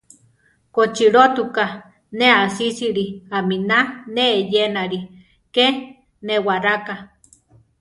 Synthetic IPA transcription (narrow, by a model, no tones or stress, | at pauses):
kot͡ʃiɾot̪uka | neasisiɾiaminaneːjenaɾi | ke | newaɾaka